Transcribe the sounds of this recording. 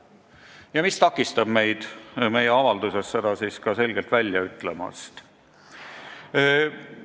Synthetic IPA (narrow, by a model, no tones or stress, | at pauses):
jɑmist̪ɑkːˑist̪ɑb̥me̞jd̪̥me̞jeɑvɑld̪̥use̞sːe̞d̪̥ɑsiːskɑse̞lɡelt̪vælʲjɑyt̪ˑle̞mɑ̰st̪